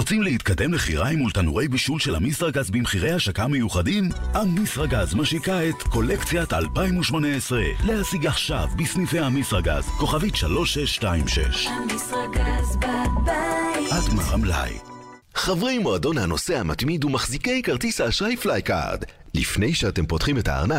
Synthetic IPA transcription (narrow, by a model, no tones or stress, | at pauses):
ʁot͡simlehit̪̚kad̪e̞mleχiʁajmult̪anuʁe̞jbiʃulʃelamisʁaɡazbimχiʁe̞jhaʃakame̞juχadimhamisʁaɡazmaʃikaet̪ko̞lekt͡sjata̰lpaimuʃmo̞neesʁelehasiɡaχʃavbisnife̞jhamisʁaɡa̰zko̞χavitʃalo̞ʃeʃtaimʃḛʃ | hadma̰ʁamla̰j | χavʁe̞jmoado̞nhano̞sehamat̪mid̪umaχzikejkaʁt̪ishaːʃʁajflajka̰ʁd̪ | lifnejʃeatempotχimeta̰ːʁna